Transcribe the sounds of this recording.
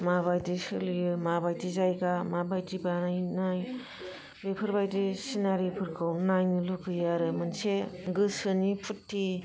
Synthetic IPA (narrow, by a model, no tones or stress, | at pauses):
maβajdisɯljɯmabajdizajɡamabajdibanajnaj | bepʰɯɾbajdisinaɾipʰɯɾkʰɯwnajnɯlukɯjaɾɯmɯnseɡɯsɯnipʰutːi